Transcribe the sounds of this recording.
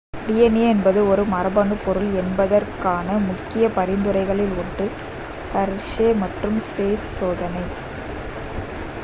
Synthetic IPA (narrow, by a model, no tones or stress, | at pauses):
dɪjɐneːɛnbɐðɯɔɾɯmɐɾɐbɐɳɯpːɔɾɯɭɛnbɐðɐrkaːnɐmʊkːɪjɐpɐɾɪnd̪ɯɾɐɪɣɐɭɪlʊɳɖɯ | hɐɾʂeːmɐʈrɯmseːssoːðɐnɐɪ